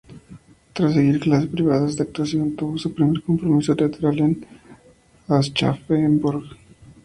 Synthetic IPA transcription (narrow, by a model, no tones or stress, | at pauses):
t̪ɾas̬eɣiɾklasespɾiβaðazd̪ak̚t̪asjont̪oβosupɾime̞ɾko̞mpɾomisot̪eat̪eɾalen | ast͡ʃa̰feːmbuɾɣ